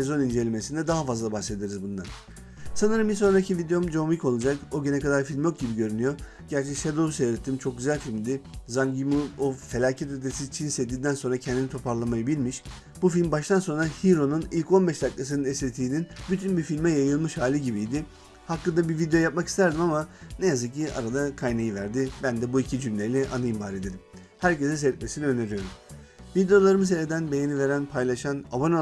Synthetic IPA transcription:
sezo̞nind͡ʒe̞lʲime̞sind̪ɛd̪aɦafazlˠabaxse̞d̪eɾizbund̪an | sanɯɾɯmbiso̞nɾaicʰivid̪eo̞md͡ʒomiko̞lˠud͡ʒakoɟynɛkʰad̪aɾfilʲmjo̞k̚ɟibiɟø̞ɾynyjo̞ɾ | ɟ̥æɾt͡ʃʰɛkʃed̪ousejɾet̪ʰːimt͡ʃʰok̚ɟyzælʲfilʲmd̪ɪzaŋɟimuofe̞lʲaːcʰɛt̪ød̪ʰesizt͡ʃʰinsɛt̪d̪iːnd̪ænso̞nɾacʰɛnd̪init̪ʰo̞pʰaɾlˠamajɯbilʲmiʃ | bufilʲmbaʃt̪ʰanso̞nɾahiɾo̞nunilʲco̞nbɛʃd̪aklˠas̬ɯnɯnɛslʲet̪ʰiːninbyt̪ʰynbifilʲmɛjajɯlˠmɯʃhaːlʲiɟibijd̪ɪ | haklˠɯd̪abivid̪ejo̞jap̚maki̥st̪ʰæɾd̪imamanejazɯk̚ciʔa̰ɾad̪akʰajnajivæɾd̪ibænd̪ɛbuicʰid͡ʒymlʲelʲɛʔanɯimbaːɾed̪eɾim | hæɾcesɛs̬ɛt̪̚me̞siniø̞ne̞ɾijo̞ɾumvid̪eo̞lˠaɾɯmɯs̬eled̪ænbe̞jenive̞ɾænpʰajlˠaʃanabono

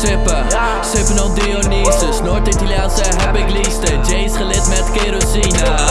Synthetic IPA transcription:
sɪpə | sɪpənɔdionisəsnoɹtitɐlijaːnsəɦɛpɪklistənd͡ʒejsχəlɪtmɛtkeɾosina

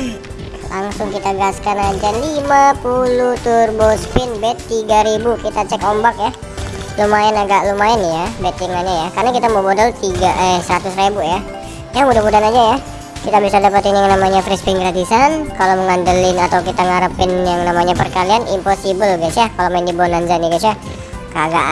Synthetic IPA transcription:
laŋsʊŋkit̪aɡaskanad͡ʒalimapulʊht̪ʊrbospɪnbɛt̪ːiɡaɾibukit̪at͡ʃɛkombak̚ja | lumaɪnaɡaʔlumaɪnjabet̪ɪŋaɲajakarnakit̪amobodɔlt̪iɡaʔəsəɾat̪ʊsrebuja | jaŋudahmudanad͡ʒaja | kit̪abisadapət̪ɪnjaŋnamaɲafɾispɪŋɡɾadisankaloməŋandəlɪnat̪awkit̪aŋaɾəpɪnjaŋnamaɲapərkalianḭmposibəlɡasakalomaɪndibnaɲd͡ʒaniɡasa | kəaɡa̰ʔ

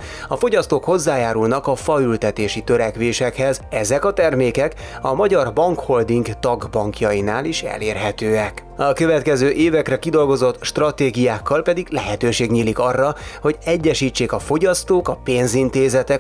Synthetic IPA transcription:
ɒfo̞ɟɒst̪oːkho̞zːaːjaːɾulnɒkɒfɒylt̪ɛt̪eːʃit̪øɾɛkʋeːʃɛkhɛzɛzɛkɒt̪ɛrmeːkɛk | ɒmɒɟɒrbɒŋkho̞ld̪iŋɡt̪ɒɡbɒŋkjɒjinaːliʃɛ̰leːrɦɛt̪øːɛkɒkøvɛt̪kɛzøːʔeːvɛkrɛkid̪o̞lɡo̞zo̞t̪ʃt̪rɒt̪eːɡijaːkːɒlpɛd̪iɡlɛɦɛt̪øːʃeːɡɲiːlikɒrːɒho̞ɟɛɟːɛʃiːt͡ʃːeːkɒfo̞ɟɒst̪oːkɒpeːnzint̪eːzɛt̪ɛk

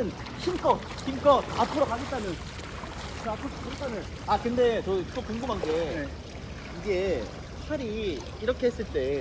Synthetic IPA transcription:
ɯn | ɕʰimk͈ʌ | ɕimk͈ʌtaːpʰɯɾʌkaɡe̞t͈̚anɯn | apʰokʰaɡet͈anɯn | akɯnde̞t͡ɕʌt͈okoŋɡɯmɦanɡe̞e | iɡe̞ | t͡ɕʰʌɾiː | ɾʌkʰe̞ɦes͈ɯɭt͈e̞

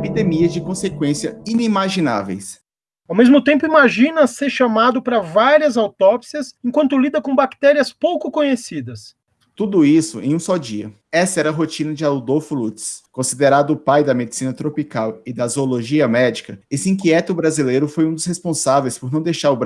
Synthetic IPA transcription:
pid̪emiɐzd͡ʒɪkõsekwẽsiɐinimaʒina̰vḛjs | awmezmʊt̪ẽmpʊimaʒĩnɐseɾʃamad̪ʊpɾɐvaɾiɐzawt̪ɔpsiɐsẽŋkwɐ̃nt̪ʊlid̪ɐkõbakt̪ɛɾiɐspowkʊkõɲesid̪ɐs | t̪ud̪ʊisʊẽj̃ũsɔd͡ʒiɐ̰ | ɛsɐɛɾɐɦot͡ʃĩnɐd͡ʒɪaud̪owfʊlut͡ʃɪ̥skõsid̪eɾad̪ʊːpajd̪ɐmed͡ʒisĩnɐt̪ɾopikawɪd̪ɐzooloʒiɐmɛd͡ʒikɐesɪĩk̬iɛt̪ʊbɾazilejɾʊfojũd̪ʊshespõsavejspoɾnɐ̃w̃d̪ejʃaɾʊb

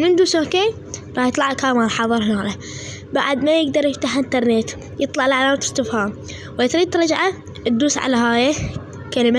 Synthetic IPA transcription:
mɪnd̪uːsoːkeː | ɾˤɑːħjɨt̪ˤlɑʕkaːmalħɑðˤɨɾˤhɪnaːla | baʕd̪majɪɡ̚d̪ɑɾˤjɪft̪aħʔɪnt̪ɑɾˤnet̪ | jɨt̪ˤlɑʕɪlʕalaːmt̪ɪ̥ɾt̪ɪfha | wat̪ɾiːt̪ɾˤɑd͡ʒʕa | t̪̚d̪uːsʕa̰laɦaːja | kalɪma

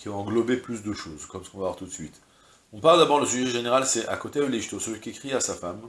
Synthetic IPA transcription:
kʲiɔ̃ɑ̃ɡlɔbeplysd̪əʃoːzkɔmsə̥kɔ̃vavwaʁt̪ut̪sɥit̪ | ɔ̃paʁld̪abɔʁləsyʒɛʒeneʁalsɛʔa̰kot̪eəliʒt̪osəlɥikʲiekχiasafam

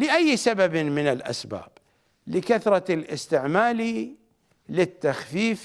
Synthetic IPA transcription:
lɪʔajːsababmɪnɪlʔa̰sba̰ːb̥ | lɪkaθɾˤɑlʔɪst̪ɪʕmaːli | lɪt̪ːaxfiːf

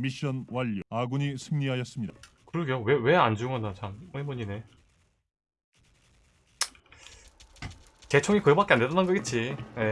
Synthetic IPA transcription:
miɕ͈ʌnwaʎːuaɡuɲisʰɯŋɲiɦajʌs͈ɯmɲidakɯɾɯɡejowewe̞and͡ʑuŋʌnat͡ɕamoemuɲine̞ | t͡ɕe̞t͡ɕʰoŋikɯbak͈e̞andetʌnɯnɡʌɡet̚t͡ɕ͈ine

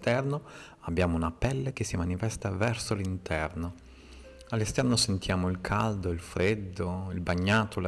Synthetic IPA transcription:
t̪ɛrno | abːjaːmounapɛlːek̟esːimanifɛst̪avɛrsolint̪ɛrno | alːest̪ɛrnosent̪jaːmoilkʰald̪oilfɾed̪ːoilbaɲːaːt̪ʰola

